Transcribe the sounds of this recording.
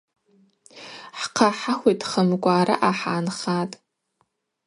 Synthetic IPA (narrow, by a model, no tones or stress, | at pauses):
ħqʰaħaχʷetʰʼχəmkʷʼaːɾa̰ʔaħa̰ːnχatʼ